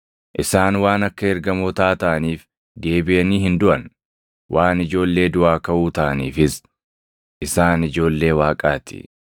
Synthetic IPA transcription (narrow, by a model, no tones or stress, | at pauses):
ʔɪsaːnwaːnɐkːɐɛɾɡɐmoːt̪aːt̪ɐʔɐniːf | d̪e̞ːbɪʔɐniːhɪnd̪ʊʔɐn | wʔaːnɪd͡ʒo̞ːlːe̞ːd̪ʊʔaːkɐʔuːt̪ɐʔɐniːfɪs | ʔɪsaːnɪd͡ʒo̞ːlːe̞ːwaːkʼaːt̪ɪ̰